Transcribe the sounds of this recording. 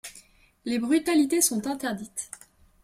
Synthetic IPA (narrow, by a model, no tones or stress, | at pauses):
lebʁyt̪alit̪esɔ̃t̪ɛ̃t̪ɛʁd̪it̪